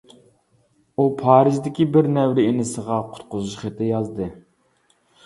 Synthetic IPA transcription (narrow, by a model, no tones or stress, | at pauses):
upʰɑːɾɨʒd̪ɪkʲibɪɾnɛwɾɪenɪsəʁɑqʰʊ̥t̪qʊzuʃχet̪ɪjɑzd̪ɨ